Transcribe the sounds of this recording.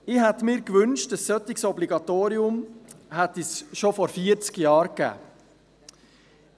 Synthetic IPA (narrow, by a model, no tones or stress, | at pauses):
ɪhɛt̪mɪːɾkvʏnʃtəsːœt̪ɪksɔbliɡɑt̪oːɾiʊmhɛtisʃofɔɾfiəɾt͡skjɑːɾkæ̰ː